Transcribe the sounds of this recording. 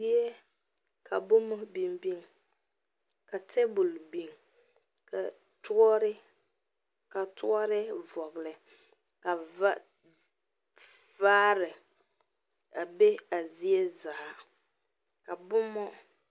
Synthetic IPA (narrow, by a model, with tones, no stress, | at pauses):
i˦e˦ | kʰa˨bʊ˦mɔ˦bi˦mbi˦ŋ | ka˨tʰe˦bʊ˨lbi˦ŋ | ka˨ | tʊ˦ɔ˦ɾɪ˦ | ka˨tʰʊ˦ɔ˦ɾɪ˦vɔ˨ɣɪ˨lɪ˨ | ka˨va˦ | va˦ɾɪ˨ | a˨be˦a˨zi˦e˦za˨ʔa˨ | ka˨bʊ˦mɔ˦